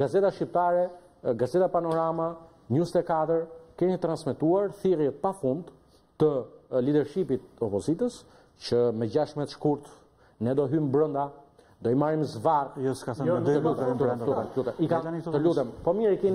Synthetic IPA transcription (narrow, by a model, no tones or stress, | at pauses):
ɡazɛt̪aʃcip̚t̪aɾɛ | ɡazɛt̪apanɔɾama | ɲust̪ɛkat̪əɾkɛnit̪ɾansmɛt̪uaɾθirjɛt̪̚pafund̪ | t̪əlid̪ɛɾʃipit̪̚ɔpɔzit̪əs | t͡ʃəmɛd͡ʑaʃmɛt̪ʃkuɾt̪ | nɛd̪ɔɦymbɾɔnd̪a | d̪ɔimaɾimzvarɔkaɛt̪əlut̪ɛɛut̪ɛlut̪ɛikat̪əlut̪ɛmpɔmiɾikɛn